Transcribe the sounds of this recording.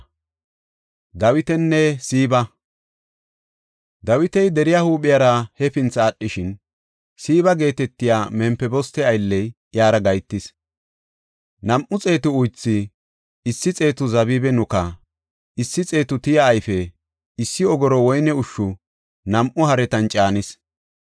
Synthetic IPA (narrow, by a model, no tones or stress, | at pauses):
d̪ɐwɪt̪ɛnːɛsiːbɐ | d̪ɐwɪt̪ɛjd̪ɛɾɪjahuːɓɪjɐɾɐhɛfɪnt͡sɐːɗːɪʃɪn | siːβɐɡe̞ːt̪ɛt̪ːɪjaːmɛmpːɛbɔst̪ɛɐjlːɛj | jaːɾɐɡɐjt̪ːɪs | nɐmʔʊt͡sʼe̞ːt̪ʊʊjt͡sːɪ | ɪsːɪt͡sʼe̞ːt̪ʊzɐbiːbɛnʊkɐ | ɪsːɪt͡sʼe̞ːt̪ʊt̪ɪjaːjfɛ | ɪsːɪɔɡɔɾɔwɔjnɛʊʃːʊ | nɐmʔʊhɐɾɛt̪ɐnt͡ʃʼaːnɪs